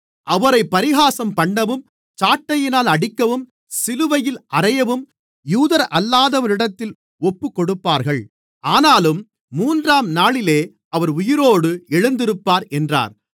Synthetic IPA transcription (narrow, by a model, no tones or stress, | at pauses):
ʔɐʋɐɾɐɪpːɐɾɪɣaːsɐmpɐɳːɐʋɯm | t͡ʃaːʈːɐjɪnaːlɐɽɪkːɐʋɯm | sɪlɯʋɐjɪlʔɐrɐjɐʋɯm | juːðɐɾɐlːaːðɐʋɐɾɪɽɐt̪ːɪl | ɔpːɯkːɔɽɯpːaːɾɣɐɭ | ʔaːnaːlɯmː | uːndraːmnaːɭɪleː | ʔɐʋɐɾʊjɪɾoːɽɯɛɻɯnd̪ɪɾɯpːaːɾɛndra̰ːɾ